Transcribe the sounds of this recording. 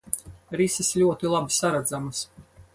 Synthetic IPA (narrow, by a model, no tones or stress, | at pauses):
ɾisislʲuɔt̪ilˠabisaɾad̪zamɨs